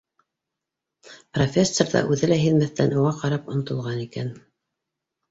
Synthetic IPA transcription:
profʲesːorðɑ̰ʔʉðɘlæɦiðmæθt̪ænuʁɑqɑɾɑpŏnŏt̪ŏlˠʁɑnikæn

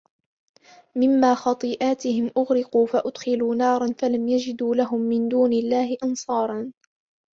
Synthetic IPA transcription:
mɪmːaːxɑt̪ˤɨːʔaːt̪ɪhɪmʔʊɣɾɪquːfaʔʊd̪xɪluːnɑːɾˤɑnfalamjad͡ʒɪd̪uːlaɦʊmːɪnd̪uːnɪlːaːhɪʔɑnsˤɑːɾˤɑn

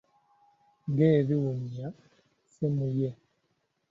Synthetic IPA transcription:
ɡɛβiwuɲia | sɛmujɛ

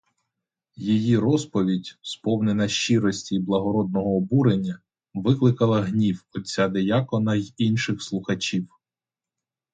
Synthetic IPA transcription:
jijiɾɔspɔʋʲidʲspɔwnenɐʃt͡ʃiɾɔsʲtʲiblˠɐɦɔɾɔd̪̚nɔɦɔːbuɾenʲːɐ | ʋɪklˠɪkɐlˠɐɦnʲiwɔt͡sʲːad̪ejakɔnɐjinʃɪxslˠʊxɐt͡ʃiw

